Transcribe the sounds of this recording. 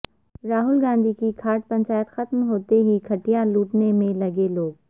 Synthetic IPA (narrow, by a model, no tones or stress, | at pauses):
ɾaːɦʊlɡãːnd̪ʱikikʰaːɾʈ̪̚pɐ̃ɲt͡ʃaːjət̪xɐt̪mɦoːt̪eɦikʰɐʈijaluːʈnemẽlɐɡeloːɡ